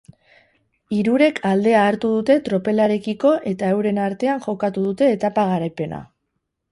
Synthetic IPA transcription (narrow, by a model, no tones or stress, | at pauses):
iɾuɾe̞kʰald̪e̞aːɾt̪uðut̪e̞t̪ɾo̞pe̞laɾe̞kiko̞ʔe̞t̪aewɾe̞naɾt̪e̞aŋʝo̞kat̪uðut̪e̞ːt̪apaɣ̞aɾajpe̞na̰